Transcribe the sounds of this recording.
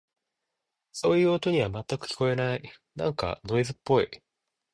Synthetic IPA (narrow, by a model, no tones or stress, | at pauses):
so̞ːjɯ̟ːot̪o̞ɲ̟iβamat̪ːakɯ̟̥kʲi̥ko̞e̞nai | nãŋka̰no̞izɨpːo̞i